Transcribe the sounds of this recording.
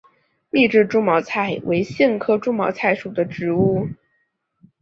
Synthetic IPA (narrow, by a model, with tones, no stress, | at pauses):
mi˥˧ʈ͡ʂɻ̩˥˩ʈ͡ʂu˥mɑ˧˥ʊt͡sʰa˥˩ɪwʔe˧˥ɪɕi˥˩nkʰɤ˥ʈ͡ʂu˥mɑ˧˥t͡sʰa˥˩ɪʂu˨˩d̪ə˦ʈ͡ʂɻ̩˧˥u˥˩